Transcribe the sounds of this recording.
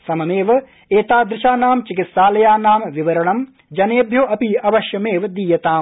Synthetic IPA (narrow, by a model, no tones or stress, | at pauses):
sɐmɐmeːʋɐ | eːt̪aːd̪ɾɪʃaːnaːmt͡ʃik̬it̪saːlɐjaːnaːmʋiʋɐɾɐɳɐm | d͡ʒɐneːbʱjoːɐpiɐʋɐʃjɐmeːʋɐd̪iːjɐt̪aːm